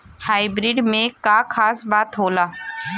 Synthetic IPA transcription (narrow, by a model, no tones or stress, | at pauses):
haːibɾɪɖmẽkakʰaːsbaːt̪ɦoːlaː